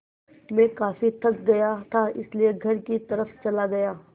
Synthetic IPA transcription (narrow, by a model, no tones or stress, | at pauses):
mẽkaːfit̪ʰɐk̚ɡɐjat̪ʰaɪslieɡʱɐɾkit̪ɐɾəft͡ʃɐlaɡɐjaː